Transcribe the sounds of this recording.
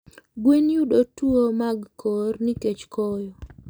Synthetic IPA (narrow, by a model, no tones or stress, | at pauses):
ɡwenjudotuomaɡkʰɔrniket͡ʃkɔjɔ